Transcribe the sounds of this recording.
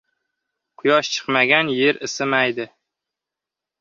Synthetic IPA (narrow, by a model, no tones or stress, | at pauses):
qʰʊjɒʃt͡ʃʰɨ̥qmaɡʲanjeɾɪsɪmajd̪ɪ